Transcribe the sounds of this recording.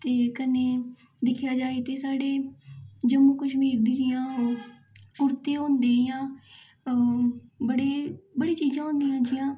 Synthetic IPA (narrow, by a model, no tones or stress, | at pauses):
t̪eːkəneː | d̪ɪkʰjaːd͡ʒaːeːt̪eːsaːɽeː | d͡ʒəmũːkəʃmiːɾd̪iːd͡ʒɪjãː | kʊɾt̪ẽːɦõːnd̪eːjãː | bəɽeːbəɽiːt͡ʃiːzãːɦõːnd̪ijãːd͡ʒɪjãː